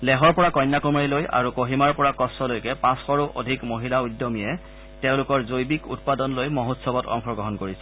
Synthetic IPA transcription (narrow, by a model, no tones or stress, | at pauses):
lɛɦɔɹpɔɹakɔjnːakumaɹiloja̰ɹukoɦimaɹpɔɹakɔstɔlojkɛpãsxɔɹuʔo̰dʱikmoɦilaujdːɔmijɛ | teʊ̃lʊkɔɹzojbikṵt̚padɔnlojmoɦotsɔbɔtɔ̰ŋxʰɔɡɔɦɔnkoɹisɛ